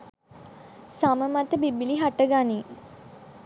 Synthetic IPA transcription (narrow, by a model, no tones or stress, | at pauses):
saməmat̪əbibiliɦaʈəɡani